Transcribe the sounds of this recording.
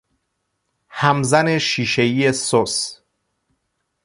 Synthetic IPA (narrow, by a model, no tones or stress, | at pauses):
hæmzæne̞ʃiːʃeiːjesos